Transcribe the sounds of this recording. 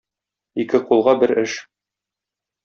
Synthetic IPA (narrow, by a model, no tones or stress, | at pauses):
ikɘqulˠʁɑbɘɾɘʃ